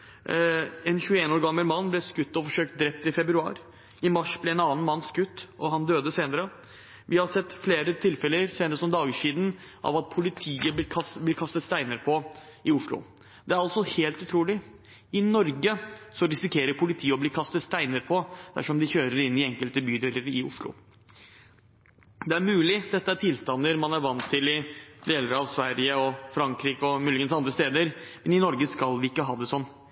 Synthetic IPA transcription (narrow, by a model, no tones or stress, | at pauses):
ɛnçʉːəeːnoːɾɡɑmːəlmɑnːblɛskʉt̪ːɔfɔʂøːkt̪̚d̪ɾɛp̚t̪ɪfɛbɾʉɑ̰ːɾ | ɪmɑʂblɛɛːnɑːn̩mɑnːskʉt̪ːɔɦɑnd̪øːd̪əseːnəɾə | ʋɪhɑsɛt̪ːfleːɾət̪ʰɪlfɛləɾseːnəɾəsɔmd̪ɑːɡəʂiːd̪n̩ʔɑ̰ʋɑt̪̚pʰʊlɪt̪ʰiːəb̪kʰɑblɪːkʰɑst̪ət̪st̪æɪnəɾpʰɔ | ʔɪʊʂɭʊ̰ | d̪ɛæɾɑlsɔheːlt̪ʉt̪ʰɾuːlɪ | ɪnɔɾɡəsɔɾɪsɪkʰeːɾəɾpʰʊlɪt̪ʰiːəɔbliːkʰɑst̪ət̪st̪æɪnəɾpʰɔd̪̥æ̰ʂɔmd̪ɪçøːɾəɾɪnːɪɛŋkəlt̪əbyːd̪eːləɾɪʊ̰ʂɭʊ̰ | d̪ɛæɾmʉːlɪd̪ɛt̪ːəæʈʰɪlst̪ɑnːəɾmɑnæɾʋɑnt̪ʰːɪlɪd̪eːləɾɑʋsʋæɾɪəɔfɾɑŋkɾiːkəɔmʉːlɪɡənsɑnd̪ɾəst̪eːd̪əɾmɛnɪnɔɾɡəskɑlʋɪɪkːəɦɑːd̪ɛsɔnː